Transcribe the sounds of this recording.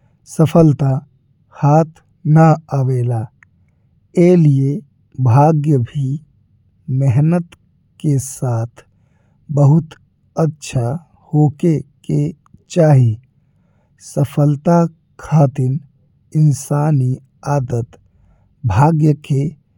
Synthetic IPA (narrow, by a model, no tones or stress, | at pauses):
səpʰəlt̪a | haːt̪ʰ | nəəʋeːla | elie | bʱaːɡjəbʱi | meɦnət̪ | kesaːt̪ʰ | bəɦʊt̪ | ətːʃʰa | hoːkeke | t͡ʃaːɦi | səpʰəlt̪a | kʰaːt̪in | ɪnsaːni | aːd̪ət̪ | bʱaːɡjəke